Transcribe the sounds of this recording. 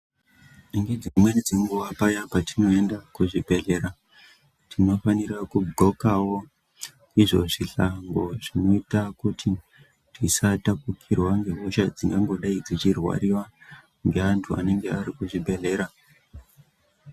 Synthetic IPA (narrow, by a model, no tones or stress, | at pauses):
niŋɡed͡zimwed͡zeŋɡuʋapajapatino̞e̞ndakuʐibʱe̞ɮe̞ɾa | tʰino̞faniɾakuɡʱokawo̞ | iʐo̞ʐiɬaŋɡo̞ʐ̥ino̞itakutʰi | tisatakukʰirwaŋɡe̞ɦuʃad͡ziŋɡaŋɡo̞ɗaid͡zit͡ʃirwa̰ɾiwa | ŋɡe̞antʰua̰ne̞ŋɡe̞aɾikuʐibʱe̞ɮe̞ːɾa